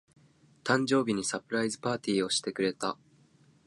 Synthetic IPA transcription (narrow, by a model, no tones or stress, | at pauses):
t̪ãɲ̟d͡ʑo̞ːbʲiɲ̟isapɯ̟ɾaizɨpaːt̪ʲiːo̞ɕi̥t̪e̞kɯ̟ɾe̞t̪a